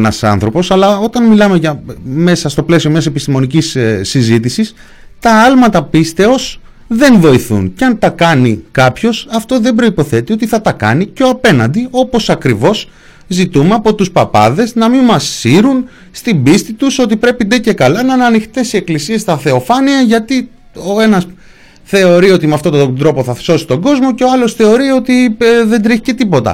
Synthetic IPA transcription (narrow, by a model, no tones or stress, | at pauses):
nɐsɐ̰nθɾo̞po̞sɐlɐo̞t̪ɐnmilɐme̞ʝɐme̞sɐst̪o̞ple̞sio̞mɲɐse̞pist̪imo̞nicissizit̪isis | t̪ɐɐlmɐt̪ɐpist̪e̞o̞s | ðe̞nvo̞iθṵnceɐnt̪ɐkɐnikɐpço̞sɐft̪o̞ðe̞mbɾo̞ipo̞θe̞t̪io̞t̪iθɐt̪ɐkɐ̰nico̞ɐpe̞nɐnd̪io̞po̞sɐkɾivo̞s | zit̪umeɐpo̞t̪uspɐpɐ̰ðe̞znɐmimɐsːiɾun | st̪imbist̪it̪uso̞t̪ipɾe̞pind̪ece̞kɐlɐnɐnɐnixt̪e̞sie̞klisie̞st̪ɐθe̞o̞fɐniɐʝɐt̪i | o̞e̞nɐs | θe̞o̞ɾio̞t̪imeɐft̪ot̪od̪ɾo̞poθɐso̞si̥t̪o̞ɡo̞zmo̞ce̞o̞ɐlo̞sθe̞o̞ɾio̞t̪iðe̞nd̪ɾiçi̥ce̞t̪ipo̞t̪ɐ̰